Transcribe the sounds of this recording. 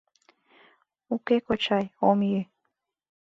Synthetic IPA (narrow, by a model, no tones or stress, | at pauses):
ukekot͡ɕɑjomjy